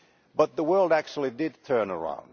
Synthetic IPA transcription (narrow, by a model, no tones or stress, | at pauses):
b̥ʌt̪̚ðəwɜ˞lˠdæk̚t͡ʃul̩ˠidɪd̚tʰɜ̃˞nə˞ã̰ʊ̃n